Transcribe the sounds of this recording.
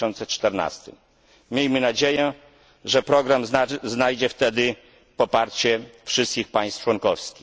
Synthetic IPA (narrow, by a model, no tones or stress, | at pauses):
ɔnt̪sɛt͡ʂt̪ɛɾna̰st̪ɘ̰m | mʲjejmɘnad͡ʑejɛ | ʐɛpɾɔɡɾamznajd͡ʑɛft̪ɛd̪ɘ | pɔpaɾt͡ɕɛfʂɘst̪̚kʲixpaj̃st̪t͡ʂwɔnkɔfskʲix